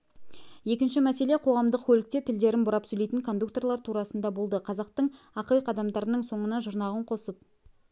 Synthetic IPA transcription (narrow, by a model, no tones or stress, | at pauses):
je̞kʲɪnʃɪmæse̞le̞qʰo̞ʁɑmd̪əq̚kʲʰɵlɪk̚t̪e̞t̪ʰɪld̪e̞ɾɪnbʊɾɑpsɵjlejt̪ɪŋkʰo̞nd̪uk̚t̪o̞rlˠɑɾt̪ʰuɾɑsənd̪ɑbo̞lˠd̪əqʰɑzɑqt̪əɴ | ɑqəjqʰɑd̪ɑmd̪ɑɾənəɴso̞ɴənɑʒʊɾnɑʁəɴqʰo̞səp̚